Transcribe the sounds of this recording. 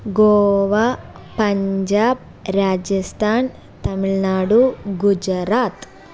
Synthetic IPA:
ɡoːʋa | pɐɲd͡ʒaːb̚ | ɾaːd͡ʒɐst̪ʰaːn | t̪ɐmiɭnaːɽuɡud͡ʒɐɾaːt̪

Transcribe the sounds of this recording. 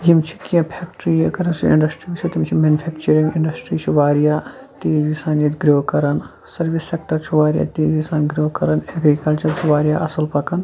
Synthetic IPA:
jimt͡ʃʰi̥kiɐ̃pʰeːkʈɾijekɐɾɐnt͡ʃʰiḭ̃ɳɖɐsʈɾiːbit͡ʃʰut̪imt͡ʃʰimenupʰeːkt͡ʃɐɾĩŋɡiɳɖɐsʈɾiːt͡ʃʰiʋaːɾijaː | t̪eːzisaːnit̪ɡɾoːkɐɾɐn | sɐɾbisːek̚ʈɐɾt͡ʃʰuʋaːɾija̰ːt̪eːzisaːnɡɾoːkɐɾɐneɡɾikɐlt͡ʃɐɾt͡ʃʰuʋaːɾijaːʔɐsɐlpɐkɐn

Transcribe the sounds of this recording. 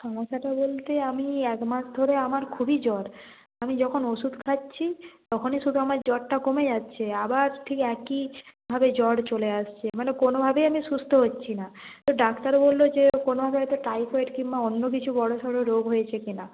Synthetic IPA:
kʰɔmoʃaʈabolt̪eamiɛkmaʃd̪ʱoɾeamaɾkʰubid͡ʑɔɽ | amid͡ʑɔkʰonoʃud̪ʱkʰatːɕʰit̪ɔkʰoniʃud̪ʱuamaɾd͡ʑɔɽʈakomed͡ʑatːɕʰeabaɾʈʰikɛkibʱabed͡ʑɔɽt͡ɕoleaʃt͡ɕʰemanekonobʱabeamiʃust̪oɦotːɕʰinat̪oɖakt̪aɾbolːod͡ʑekonobʱabeɦɔjt̪oʈajfʰɔeʈkimbaonːok̬it͡ɕʰubɔɽoʃɔɽoɾoɡɦojet͡ɕʰekina

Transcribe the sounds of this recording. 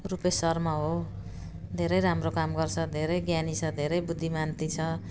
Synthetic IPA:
rupesʌrmaɦo | d̪ʱeɾʌjɾamrokamɡʌrt͡sʰʌd̪ʱeɾʌjɡjanit͡sʰʌd̪ʱeɾʌjbud̪ʱːimant̪it͡sʰʌ

